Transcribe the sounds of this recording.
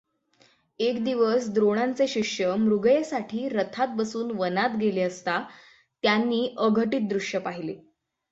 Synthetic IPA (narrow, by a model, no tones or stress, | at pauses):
ekd̪iʋəsd̪ɾoɽ̃ant͡seɕikʂjəmɾuɡjesaʈʰiːɾət̪ʰat̪̚bəsuːnʋənat̪ɡeleəst̪a | t̪janːiːʔəɡʱəʈiːt̪̚d̪ɾuʂjəpaɦile